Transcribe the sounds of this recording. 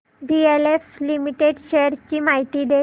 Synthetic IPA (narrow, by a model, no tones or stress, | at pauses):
bieleflimiʈeɖɕejəɾt͡ɕiːmaɦit̪iːd̪e